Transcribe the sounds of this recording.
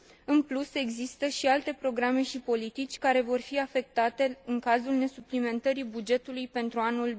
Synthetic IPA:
ɨnpluse̞ɡzist̪əʃialt̪e̞pɾo̞ɡɾame̞ʃipo̞lit̪it͡ʃʲkaɾe̞vo̞rfiafe̞k̚t̪at̪e̞ɨŋkazulne̞suplime̞nt̪əɾibud͡ʒe̞t̪ulujpe̞nt̪ɾuanul

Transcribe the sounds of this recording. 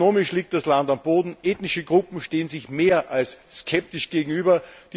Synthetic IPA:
oːmɪʃliːk̚t̚d̥aslandamboːdn̩ʔeːtnɪʃəɡʁʊpm̩ʃteːənzɪçmeːɐʔalsːkʰɛp̚tɪʃɡ̥eːɡŋ̩yːbɐd̥iː

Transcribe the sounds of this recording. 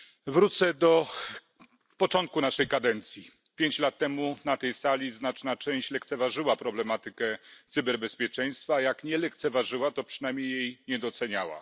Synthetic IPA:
vɾut̪sɛd̪ɔ | pɔt͡ʂɔnt̪̚kunaʂɛjkad̪ɛnt̪sʲji | pʲjeɲt͡ɕlat̪ːɛmunat̪ɛjsalʲiznat͡ʂnat͡ʂɛ̃w̃ɕt͡ɕlɛkt̪sɛvaʐɘwapɾɔblɛmat̪ɘkɛt̪sɨbɛɾbɛspʲjɛt͡ʂɛj̃st̪fajakɲɛlɛkt̪sɛvaʐɘwat̪ɔpʂɘnajmɲejːejɲɛd̪ɔt̪sɛɲawa̰

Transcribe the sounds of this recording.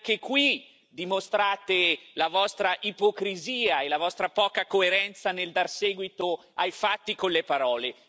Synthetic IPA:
k̟ekwi | d̪imost̪ɾaːt̪elavɔst̪ɾaʔipokɾiziːaelavɔst̪ɾapɔːkakoeɾɛnt̪saneld̪arseːɡwit̪o | ajfat̪ːikonlːepaɾɔːle

